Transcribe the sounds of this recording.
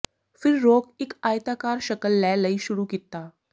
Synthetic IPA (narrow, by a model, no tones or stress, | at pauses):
fɪɾːoːkɪkaːjt̪aːkaːɾʃɐkəlːɛːləiʃʊɾukɪt̪ːaː